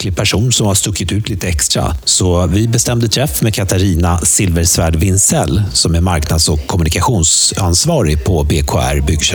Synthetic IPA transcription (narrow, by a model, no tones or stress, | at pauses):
lɪɡ̚pʰæʂuːnsɔmhast̪ɵkʰːɪt̪ʉ̟ːt̪ʰliːt̪əɛkst̪ɾa̰sɔvɪbɛst̪ɛmd̪ət̪ʰɾɛfːmeɛkʰat̪aɾiːnasɪlvəɾsvæːɖvɪnsɛlːsɔmæɾmaɾknad̪sɔkʰːɔmɵnɪkaɧuːnsansvɑːɾɪpʰɔbeːkʰo̰ːæ̰ɾbʏɡ